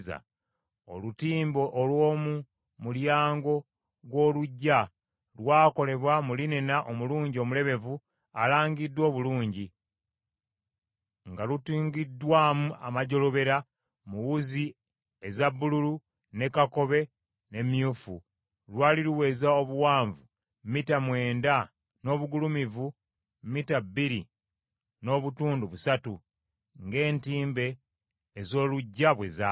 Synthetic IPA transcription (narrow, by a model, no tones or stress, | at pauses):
za̰ | o̞̰lutiːmbo̞ʔːlwo̞ːmu | muljaːŋɡo̞ | ɣwo̞ːluɟːa | lwaːko̞le̞βwamulinenaʔomuluːɲɟio̞mule̞βe̞vu | alaːɲɡidːwo̞ːβuluːɲɟi | ŋɡalutiːŋɡidːwaːmuʔa̰maɟo̞lo̞βe̞ɾa | muwuzi | ezabːululu | ne̞kako̞βe̞ | ne̞mjuːfu | lwaːliɾuwe̞ːzao̞βuwaːɱvu | mmitamwe̞ːnda | no̞ːβuɡulumivu | mmitabːiɾi | no̞ːβutuːnduβusatu | ŋɡe̞ːntiːmbe̞ː | zo̞ːluɟːaβwe̞za